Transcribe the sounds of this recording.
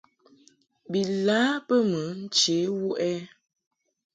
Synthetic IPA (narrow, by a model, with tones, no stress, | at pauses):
bi˨laː˦pə˦mə˨˦n̩˦t͡ʃe˨˦wu˦ʔɛ˦